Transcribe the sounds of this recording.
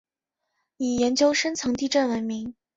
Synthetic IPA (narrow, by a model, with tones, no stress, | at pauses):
ni˨˩jɛ˧˥nt͡ɕjo˥ʊʂə˥nt͡sʰɤ˧˥ŋt̪i˥˧ʈ͡ʂə˥˩nwə˧˥nmi˧˥ŋ